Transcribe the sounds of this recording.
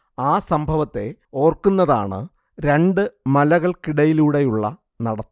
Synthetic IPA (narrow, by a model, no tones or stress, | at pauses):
aːsɐmbʱɐʋɐt̪ːe̞̰o̞ːrkːunːɐða̰ːɳɨ̰ | ɾe̞ɳɖɨmɐlɐɣɐɭkiɽɐjiluːɽe̞juɭːɐ̰ | nɐɽɐt̪ː